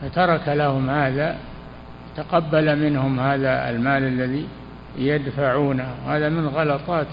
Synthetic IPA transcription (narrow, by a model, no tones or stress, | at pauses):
fat̪ɑɾˤɑkalahʊmhaːða | wɪt̪aqɑbːalamɪnhʊmhaːðaɪ̰lmaːlalːaði | jad̪faʕuːnawhaːðamɪnɣɑlɑt̪ˤɑːt̪